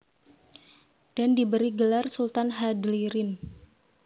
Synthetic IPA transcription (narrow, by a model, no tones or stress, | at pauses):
d̥andibəɾiɡəlarsult̪anɦadliɾɪn